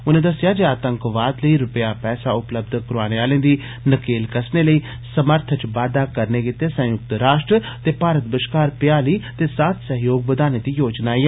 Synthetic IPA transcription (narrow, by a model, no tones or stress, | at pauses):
ʊnẽːd̪əsːɪjaːd͡ʒeaːt̪əŋkʋaːd̪ləiːɾʊpjaːpɛːsaːʊpləbd̪kɾaːneːaːlẽːd̪iː | nəkeːlkəsneːləiː | səməɾt̪ʰət͡ʃʋaːd̪aːkəɾneːkɪt̪eːsə̃jʊk̚t̪ɾaːʃʈɾə | t̪eːpaːɾət̪̚bɪʃkaːɾpjaːliːt̪eːsaːt̪səɦjoːɡ̚bəd̪aːneːd̪iːjoːd͡ʒnaːiɛː